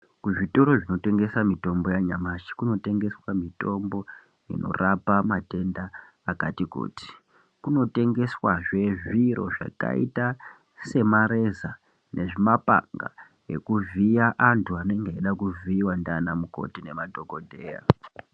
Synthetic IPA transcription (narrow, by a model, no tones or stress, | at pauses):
kuʐito̞ɾo̞ʐino̞te̞ŋɡe̞samito̞mbo̞jaɲamaʃi̥kuno̞te̞ŋɡe̞swamito̞mbo̞ | ḭno̞̰rapamate̞ndaː | katiko̰ːti̥ | kuno̞te̞ŋɡe̞swaʐe̞ʐiɾo̞̰ʐa̰ka̰ḭta | se̞maɾe̞za | nʔe̞ʐimapa̰ŋɡa̰ | e̞̰kuvijaʔantʰuanoeŋɡeeɗakuviːwandanamuko̞̰tine̞madʱo̞ko̞dʱe̞ːja̰